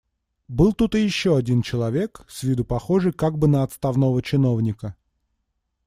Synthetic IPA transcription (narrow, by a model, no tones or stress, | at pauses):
bɨlˠt̪ut̪ɨjɪɕːoɐdʲint͡ɕɪlˠɐvʲe̞ksʲvʲid̪ʊpɐxo̞ʐɨjkaɡ̚bɨnəɐt̪st̪ɐvnovət͡ɕɪno̞vnʲɪkə